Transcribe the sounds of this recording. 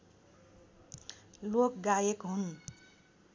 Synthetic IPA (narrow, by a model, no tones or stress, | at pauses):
lokɡajekɦun